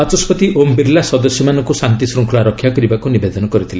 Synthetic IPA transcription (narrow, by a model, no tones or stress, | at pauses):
at͡ʃɔspɔt̪iʔombiɾlasɔd̪ɔsjɔmanɔŋkusant̪isɾuŋkʰɔlaɾɔkʰːjakɔɾibakunibed̪ɔnɔkɔɾit̪ʰile